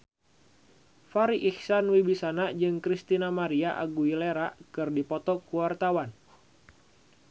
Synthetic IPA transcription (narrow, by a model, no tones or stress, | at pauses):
faɾiʔihsanwibisanad͡ʒɨŋkɾist̪inamaɾiaʔa̰ɡuileɾakɨrdipɔt̪ɔkuwart̪awan